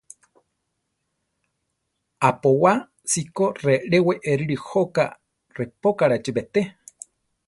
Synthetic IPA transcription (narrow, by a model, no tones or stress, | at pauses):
apowa | sikoreɾeweʔeɾiɾihoka̰ | repokaɾat͡ʃibet̪e